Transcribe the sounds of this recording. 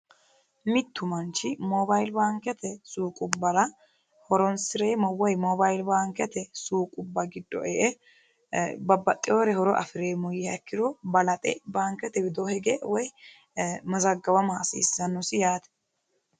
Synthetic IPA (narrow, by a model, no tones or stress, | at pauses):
mɪt̪ːʊmɐnt͡ʃːɪmɔbɐjlbaːŋkɛt̪ɛsuːkʼʊbːɐɾɐ | hɔɾɔnsɪɾeːmɐwɔjmɔbɐjlbaːŋkɛt̪ɛsuːkʼʊbːɐɡɪd̪ːɔ̰ʔɛʔɛ | bɐbːɐt̪ʼːɪjoːɾɛhɔɾɔʔɐ̰fɪɾeːmʊjɪhɐkːɪɾɔbɐlɐt̪ʼɛ̰baːŋkɛt̪ɛbɪd̪ohɛɡewɔj | mɐzɐɡːɐbɐmaːsḭːsːɐnːʊsɪjaːt̪ɛ̥